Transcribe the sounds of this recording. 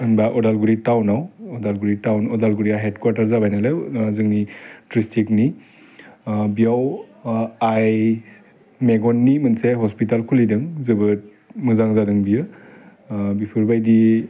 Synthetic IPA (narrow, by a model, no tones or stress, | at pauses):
ɯnbaʔɔdalɡuɾitawnawɔdalɡuɾitawnɔdalɡuɾijaɦedkwaɾtaɾzabajnalezɯŋnitɾistikni | bijaw | aj | meɡɔnːimɯnseɦɔspitalkʰulidɯŋzɯbɯt̚ | mɯzaŋzadɯŋbijɯ | bipʰuɾbajdi